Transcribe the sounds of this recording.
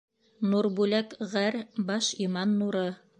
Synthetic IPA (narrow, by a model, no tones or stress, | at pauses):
nuɾbʉlækʁæɾbɑʃimɑnːuɾɤ